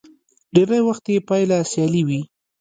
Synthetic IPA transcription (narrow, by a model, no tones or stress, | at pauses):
ɖeɾajwaxt̪jepɑjlasjɑliwi